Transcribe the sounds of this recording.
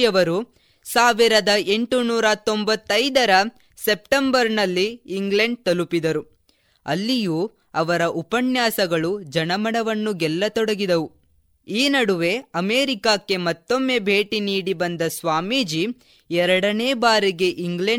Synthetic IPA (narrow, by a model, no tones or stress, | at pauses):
ɐʋɐɾu | saːʋiɾɐd̪ɐʔe̞ɳʈunuːɾɐt̪ombɐt̪ːɐjd̪ɐɾɐ | sepʈembɐɾnɐlːiːŋɡlɐɳɖ̚t̪ɐlupid̪ɐɾu | ɐlːijuː | ɐʋɐɾɐʔupɐnjaːsɐɡɐɭud͡ʒɐnɐmɐɽɐʋɐnːuɡɛlːɐt̪ɔɽɐɡid̪ɐʋu | iːnɐɽuʋe̞ɐmeːɾikaːkːe̞mɐt̪ːo̞mːe̞bʱe̞ːʈiniːɽibɐnd̪ɐsʋaːmiːd͡ʒi | ɛɾɐɽɐneːbaːɾiɡe̞ʔiŋɡɭe